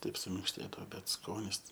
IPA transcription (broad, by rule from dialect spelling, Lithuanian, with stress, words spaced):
ˈtɐɪp sʊmʲɪŋkʃʲˈtʲeːdɐoː ˈbʲɛt ˈskoːnʲɪs